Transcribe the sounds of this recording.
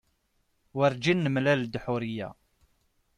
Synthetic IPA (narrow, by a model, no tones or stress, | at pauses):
wəɾd͡ʒinːəmlæld̪ħuɾijæ̰